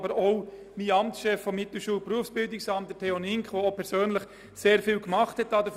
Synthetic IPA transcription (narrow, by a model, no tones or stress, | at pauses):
bəɾoʊ | miɑmtsʃɛfːɔmːɪt̪l̩ʃuːlpɾuəfsb̥ɪldɪksɑmtdətʰɛonɪŋkʋoopʰɛɾsøːnləχ | seːɾfiːlkmɑχthɛtɑːdəf